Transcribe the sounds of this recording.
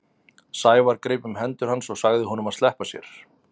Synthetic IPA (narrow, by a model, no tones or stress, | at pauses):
saːjvaɾkɾejpʏmɦɛnt̪ʏɾhansɔɣsaɣðɪɦɔnʏmaðst̪ɛhpasjɛ̰ɾ̥